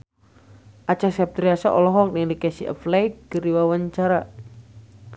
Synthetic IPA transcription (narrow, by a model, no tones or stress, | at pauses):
ʔat͡ʃasap̚t̪ɾiasa̰ʔɔlɔɦɔk̚dɛŋdikɛsiʔə̰flaikɡəriwawaɲt͡ʃaɾa